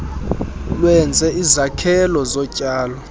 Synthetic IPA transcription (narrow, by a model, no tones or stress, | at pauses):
lwɛnd͡zʱɛizakʰɛlɔzɔcʼaːlɔ